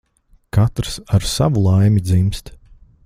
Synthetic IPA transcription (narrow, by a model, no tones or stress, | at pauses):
kat̪ɾsaɾsa̰vulˠajmʲid̪zimst̪